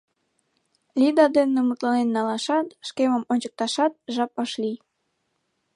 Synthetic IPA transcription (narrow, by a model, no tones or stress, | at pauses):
lʲid̪ɑd̪enemut̪lɑnenːɑlɑʃɑt̪ʃkeməmonʲt͡ɕə̥k̚t̪ɑʃɑt̪̚ʒɑp̚əʃli